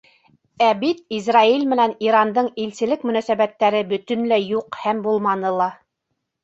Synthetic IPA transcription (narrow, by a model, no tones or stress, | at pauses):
æbit̪izrailʲmɘ̆næniɾɑnd̪ɤɴilsɘ̆lɘkmɵ̆næsæβæt̪ːæɾɘbɵ̆t̪ɵ̆nlæjuqhæmbulˠmɑnɤlˠɑ